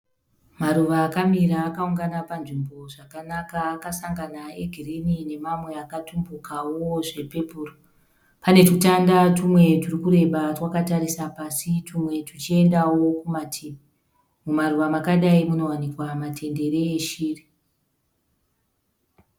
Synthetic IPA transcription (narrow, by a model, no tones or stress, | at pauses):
maɾuʋaːkamiɾaːkauŋɡanapanʐimbo̞ʐakanakaːkasaŋɡanae̞ɡʱirenine̞mamwe̞akatumbukawoʐe̞pe̞puːro | pane̞tutandatumwe̞turikuɾe̞ɓatwakataɾisapasitumwe̞tut͡ʃie̞ndawo̞kumatʰimi | mumaɾuʋamakaɗaimuno̞wanikwamatʰe̞nde̞ɾeːʃiːri